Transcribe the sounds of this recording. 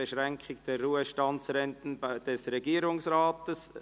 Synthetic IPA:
eʃɾɛŋkʰχɪɡd̥ɛrːuːəʃtɑnt͡sɾɛntn̩d̥ɛsɾɛɡiːəɾʊŋsraːtəs

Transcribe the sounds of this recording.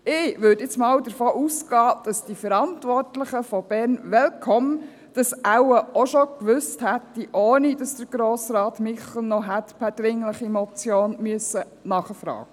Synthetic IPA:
ɪːʋʏdɪt͡smɑːwdəɾfoːʔusɡ̥ɑːd̥ɑsd̥ifəɾɑntʋɔrtlɪχəfɔb̥ɛɾnʋɛlkʰɔm | d̥ɑsʔæwəʔoʃɔkʋʏsthætːiʔoːnid̥ɑsd̥əɾɡ̥ɾoːsɾɑːtmɪχl̩nɔɦætpʰæd̥ɾɪŋləχimɔt͡sjoːnmyəsə | nɑχəfɾɑ̰ːɡ̥ə

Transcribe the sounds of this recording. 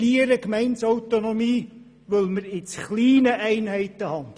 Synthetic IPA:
iəɾəkmɛɪntsɔwt̪onomiː | ʋɵlməɾɪt͡sχliːnəʔɛɪnɦɛɪt̪əhɑn

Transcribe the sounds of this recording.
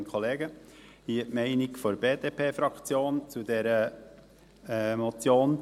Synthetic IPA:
nkʰχɔleːɡəhiətmɛɪnɪkfɔɾbeːd̥̪eːpʰeːfɾɑkt͡sjoːnt͡sud̪ɛɾə | ɛmɔt͡sjoːn

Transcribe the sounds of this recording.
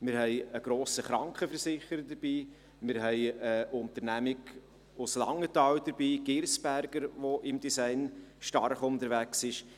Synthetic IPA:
mɪɾɦɛɪəɡ̥ɾoːsəχɾɑŋkχəfəɾsɪχəɾəd̥əɾb̥iː | mɪɾɦɛɪəʔʊnt̪əɾnæmɪɡ | ʊslɑ̰ŋːətɑːwd̥əɾbiːɡ̥ɪɾsb̥æɾɡəɾʋoʔɪmd̥isæɪnʃtɑ̰ɾχʊnd̪əɾʋæksɪʃ

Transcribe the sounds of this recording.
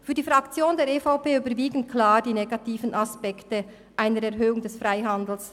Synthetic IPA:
fyːɐdiːfʁɑkt͡sjoːndeːɐɾefaʊpeːyːbəɾviːɡən̩tkʰlaːd̥iːneɡɑtiːfənɑspɛktə | ʔaɪnəɾɛɾɦøːʊŋdɛsfʁaɪɦɑndl̩s

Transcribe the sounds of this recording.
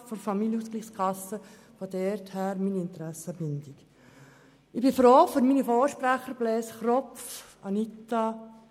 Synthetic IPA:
fɔɾfɑmiljəuskliχskʰɑsə | fod̪ɛɾthæːɾmiːniɪnt̪ɾæsːəbɪnd̪ik | ɪbifɾoːfɔɾminifoːʃpɾæχəɾb̥lɛːsχɾɔpfɑnit̪ɑ

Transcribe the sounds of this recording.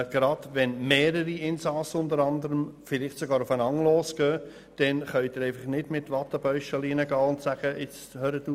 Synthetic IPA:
ɡ̥ɾɑd̥ʋɛnmeːɾəɾiɪnsɑsʊndəɾɑndəɾəmfɪlɪχtsoɡɑːɾʊfənɑŋloːsɡ̥œː | d̥ɛnχœʏtɪɾɛɪfɑχnɪdmɪtʋɑt̪ːəb̥œʏʃɑliːnəɡɑːʊntsæɡ̥əʔɪt͡s | høːɾəduː

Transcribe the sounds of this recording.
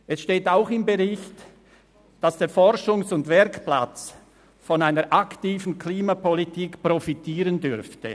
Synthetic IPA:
ʔɛsʃteːtaʊxɪmbeʁɪçt | d̥asd̥eːɐfɔʁʃʊŋsʊndvɛɾkpla̰t͡s | fɔnaɪnəɾʔaktiːvn̩kʰliːmapɔlitiːkpʁɔfitʰiːʁəndʏɾftə̰

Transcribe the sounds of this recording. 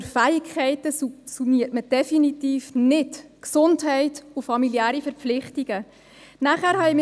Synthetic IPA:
fæɪkχɛɪtəsuniətməd̥ɛfinitiːfnɪtksʊntɦɛɪtʊfɑmiliæːɾifɛɾp͡flɪχtiɡ̥ə | næχæːɾhɑim

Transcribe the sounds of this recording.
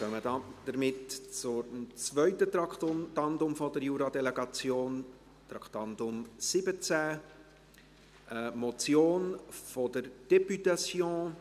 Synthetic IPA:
kœmədɑd̪̥əɾmɪtt͡sʊɾmt͡svœʏtət̪ɑkt̪ɑndʊmfɔdəɾjuɾɑd̪ɛlɛɡɑt͡sjoːn | t̪ɾɑkt̪ɑndʊmsɪbət͡sæ | ʔəmɔt͡sjoːnfodəɾd̥ɛpytasjɔ̃ː

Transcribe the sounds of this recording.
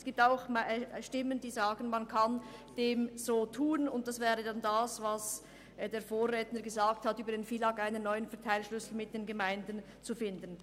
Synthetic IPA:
sɡ̥iːp̚taʊxmʃtɪmənd̥iːzaːɡənmankʰand̥eːmz̥oːtʰuːənʊnt̚d̥asv̥ɛːʁədandasvas | deːɐfoːʁːɛːtnəɡəzaːk̚thatʔyːbɐdeːnfiːlɑkʔaɪnənːɔʏənfɛɐtʰaɪlʃlʏsl̩mɪt̚d̥eːnɡəmaɪndən | t͡sufɪndən

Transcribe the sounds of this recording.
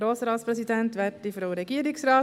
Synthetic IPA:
ɾoːsɾɑːtspɾɛsidɛnt̪ʋɛtifɾoʊɾɛɡiːəɾɪksɾɑː

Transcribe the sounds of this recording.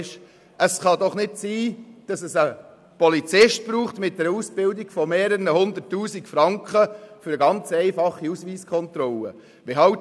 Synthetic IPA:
ʃ | ʔəsχɑdɔχnɪtsiːd̥ɑsəsə | pɔlit͡sɪʃt̚b̥ɾuːχtmɪt̚dɛɾuːsb̥ɪldiɡ̥fɔmeːɾəɾənəhʊnd̪ətːuːsikfɾɑŋkχəfʏɾəɡɑnt͡sɛɪfɑχːiusʋiːskʰχɔnt̪ɾɔlə̰ | ʋɪɦɑ

